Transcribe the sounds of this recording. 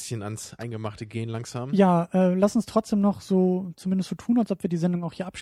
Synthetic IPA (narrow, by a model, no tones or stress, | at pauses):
sçəna̰nsʔa̰ɪnɡəmaχtəɡeːənlaŋz̥aːmjaːʔɛːlasʊnstʁ̥ɔt͡sd̥eːmnɔχz̥oːt͡sumɪndəstz̥oːtʰuːnalsʔɔpviɐdiːzɛndʊŋaʊxhiːɐʔapʃ